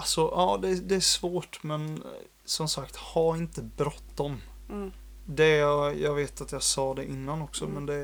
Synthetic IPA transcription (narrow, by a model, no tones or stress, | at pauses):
alsɔʔɑːd̪ɛd̪ɛæʂvoːʈmɛn | sɔmsakt̪haɾɪnt̪əbɾɔt̪ːɔm | d̪ɛjjɑːɡveːt̪at̪jɑːɡsɑːd̪ɛʔɪnːanɔksɔmɛnd̪ɛ